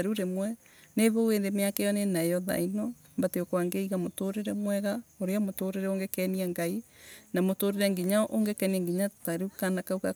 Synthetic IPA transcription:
aɾuɾemwɛ | neβoweːndemeakɛjɔnenaɛjɔða̰inɔ | mbateokwaŋɡeiɣamotoɾeɾɛmwɛɣaoɾeamotoɾeɾɛoŋɡɛkɛniaŋɡainamotoɾeɾɛŋɡiɲaʔoŋɡekɛniɛŋɡiɲataɾukanakauka

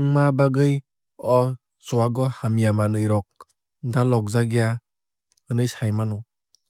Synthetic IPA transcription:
ŋmabaɡɯj | ɔ | zɔwaɡɔhamijamanɯjɾɔk̚ | dalɔk̚zaɡija | ɯnɯjsajmanɔ

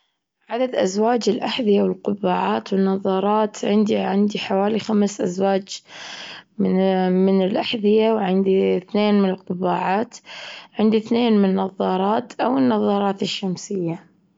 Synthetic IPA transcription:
ʕad̪ad̪ʔazwaːd͡ʒɪlʔaħðɪjawɪlqʊbːaːʕaːt̪wɪnːɑðˤɑːɾˤɑːt̪ʕɪnd̪iʕɪnd̪iħawaːlixamsʔazwaːd͡ʒ | mɪnɪlʔaħðɪjawʕɪnd̪iθneːnmɪnɪlqʊbːaːʕaːt̪ʕɪnd̪iθneːnmɪnnːɑðˤːɑːɾˤɑːt̪ʔawɪnːɑðˤɑːɾˤɑːt̪ɪʃːamsɪjːa

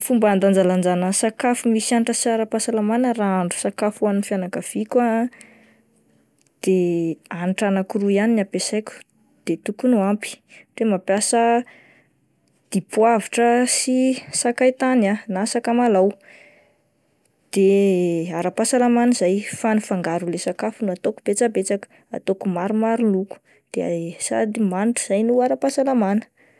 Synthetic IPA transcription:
fumband̪and͡zaland͡zanəsakafumisianiʈ͡ʂəsiaɾapasalamanəraaɳɖ͡ʐu̥sakafuaninfjanakəv̥ikwa | d̪̥eanʈ͡ʂanakuɾuianinapesakʲu̥ | d̪̥et̪ukunuampi̥ʈ͡ʂemapjasə | d̪̥ipuaviʈ͡ʂəsisakajt̪ananasakamalaw | d̪̥eaɾapasalamanəzajfanufaŋɡaɾulesakafunuat̪oku̥b̥et͡sabet͡sakə̥ | a̰t̪okumaɾumaɾuluku̥ | d̪̥easa̰d̪imaniʈ͡ʂuz̥ajnuaɾapasalamanə̥

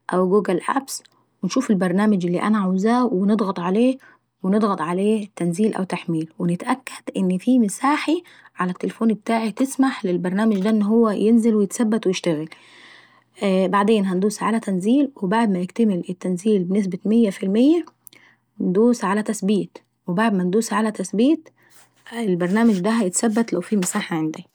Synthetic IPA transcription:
ʔæwɡuːɡælʔæ̰bs | wenʃuːfelbɑɾˤnæːmɪd͡ʒelːḭːʔæ̰næʕawzæːwened̪ˤɣɑt̪ˤʕaleː | wened̪ˤɣɑt̪ˤʕaleːt̪ːænziːlʔæ̰wt̪aħmiːlwenɪt̪ʔækːæ̥d̪̥ʔɪnːfiːmɪsaːħi | ʕalæt̪ːelefoːnbet̪aːʕit̪ɪsmaħlɪlbɑɾˤnæːmɪd͡ʒd̪æʔenːɦowːæjenzelwejɪt̪sæbːæt̪wejeʃt̪æɣæl | ʔbaʕd̪eːnɦænd̪uːsʕalæt̪ænziːlwebaʕd̪mæjɪkt̪æmɪlʔɪt̪ːænziːlbenɪs̬bɪmɪjːæfilmɪjːæ | nd̪uːsʕalæt̪æsbiːt̪ | webaʕd̪mænd̪uːsʕalæt̪æsbiːt̪ | ɪlbɑɾˤnæːmɪd͡ʒd̪æɦæjɪt̪sæbːæt̪læwfiːmɪsaːħaʕend̪æ

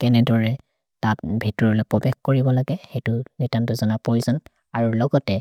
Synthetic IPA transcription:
kɛnɛdɔɹɛ | tat̚bʱitɔɹɔlɔpɹɔbɛxkoɹibɔlaɡɛxejtʊnetantʊzɔnapɔizɔn | aɹulɔɡɔtɛ

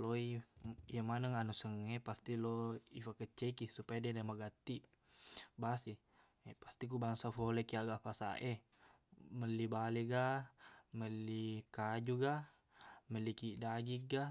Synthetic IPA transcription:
loijamanəŋanusəŋepast̪iloifakət͡ʃːekisupajadiadamaɡat̪i | basi | past̪ik̬ubaŋsafolekiaɡafasa̰ʔe | məlibaleɡaməlikad͡ʒuɡa | məlikidaɡik̚ɡa

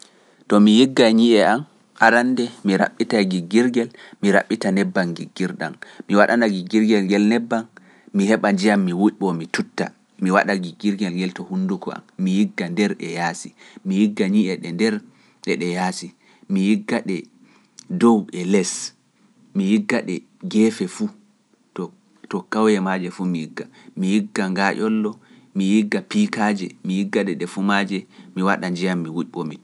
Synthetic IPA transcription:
tɔmijiɡːaɲiʔɛam | aɾandɛmiɾa̰ɓːitaɡiɡːiɾɡɛlmiɾa̰ɓːitanɛbːanɡiɡːiɾɗa̰mmiwaɗanaɡiɡiɾɡɛlŋɡɛlnɛbːan | mihɛɓand͡ʒijamːiwuʔɓɔmitutːa̰ | miwa̰ɗaɡiɡiɾɡɛlŋɡɛltɔhunːdukɔ̰a̰mːijiɡːandɛɾɗɛ̰jasimijiɡːaɲiʔɛɗɛndɛɾ | ɗɛɗɛjasi | mijiɡːaɗɛ | dɔwɛlɛs | mijiɡːaɗɛ | ɡɛːfɛfu | tɔ | tɔkawjɛmad͡ʒɛfumijiɡːa | mijiɡːaŋɡaʔɔlːɔ | mijiɡːapikad͡ʒɛmijiɡːaɗɛɗɛfumad͡ʒɛmiwaɗaɲd͡ʒijamːiwuʔɓɔmi

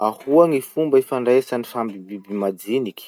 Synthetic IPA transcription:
ahuaŋifumbaefaɳɖ͡ʐesanifambibibimad͡zinikʲ

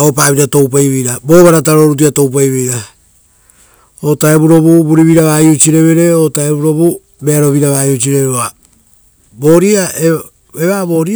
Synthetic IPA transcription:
aop̬aːβitato̞wp̬ajβejɾabo̞βaɾat̬aɾo̞ɾut̬iato̞wp̬ajβejɾa | otaeβuɾo̞βubuɾiβiɾaβaːjut͡ʃiɾe̞βe̞ɾe̞otaeβuɾo̞βu | beaɾo̞βiɾaβaːjut͡ʃiɾeβeoa | bo̞ɾiae | eβabo̞ɾi

